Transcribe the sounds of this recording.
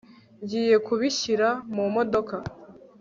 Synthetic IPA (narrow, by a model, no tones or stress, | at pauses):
ɲɟiːje̞kuβiçiɾamumo̞do̞ka